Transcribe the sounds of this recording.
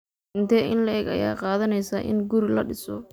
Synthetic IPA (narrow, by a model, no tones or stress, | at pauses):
ɪnt̪ʰɛːɪnlɐɛːɡɐ̰ja̰ːqɑːðɐnɛjsaːʔɪ̰nɡuɾɪlɐɖɪsɔ̰